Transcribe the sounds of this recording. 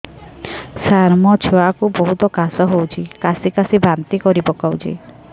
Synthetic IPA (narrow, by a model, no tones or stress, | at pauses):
saɾmɔt͡ʃʰoakubɔɦut̪ɔkasɔɦowt͡ʃʰikasikasibʱant̪ikɔɾibɔkawt͡ʃʰḭ